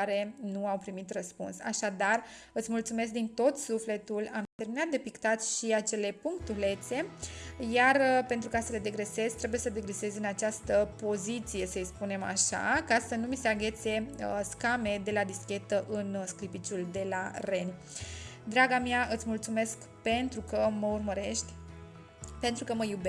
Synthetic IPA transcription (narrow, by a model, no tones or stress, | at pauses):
aɾe̞nuawpɾimit̪rəspṵnsaʃad̪arɨt̪sʲmult̪sume̞s̬k̚d̪int̪o̞t̪sufle̞t̪ulamt̪erminat̪̚d̪e̞pikt̪at̪sʲʃiat͡ʃe̞le̞puŋkt̪ule̞t̪se̞jarpent̪ɾukasəle̞d̪e̞ɡɾe̞se̞zʲt̪ɾe̞buje̞səd̪e̞ɡɾese̞zɨnat͡ʃast̪əpo̞zit̪sije̞səispune̞ma̰ʃa̰kasənumise̞aɡʲe̞t̪sʲe̞skame̞d̪e̞lad̪iskʲe̞t̪əʔɨnsklipit͡ʃuld̪e̞lare̞nʲ | d̪ɾaɡamaɨt̪sʲmult̪sume̞sk | pe̞nt̪ɾukəməurməɾe̞ʃt̪ʲ | pent̪ɾukəməjube